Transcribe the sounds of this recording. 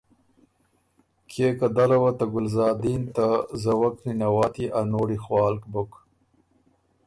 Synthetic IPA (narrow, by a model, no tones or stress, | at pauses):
kʰekad̪aɾawat̪aɡʊlzɑːd̪int̪azawakninawɑːt̪iʔanoːɽixwɑːlkbʊk